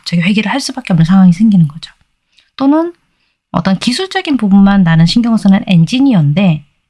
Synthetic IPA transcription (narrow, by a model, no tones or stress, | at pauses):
t͡ɕʌɡiɸwe̞ɡiɾɯɭhaɭs͈ubak͈eʌmnːɯnsʰaŋɦwaŋisʰeŋɡinɯnɡʌd͡ʑo | t͈onɯn | ʌt͈ʌnkisʰuɭt͡ɕ͈ʌɡinpubunmanːanɯnɕʰinɡjʌŋosʰʌnɯne̞nd͡ʑiɲiʌnde̞